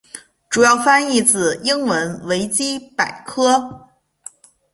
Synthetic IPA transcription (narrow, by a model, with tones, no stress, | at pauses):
ʈ͡ʂu˨˩jɑ˥˩ʊfa˥ni˥˩t͡sɹ̩˨˩i˥ŋwə˧˥nwe˧˥ɪt͡ɕi˥pa˨˩ɪkʰɤ˥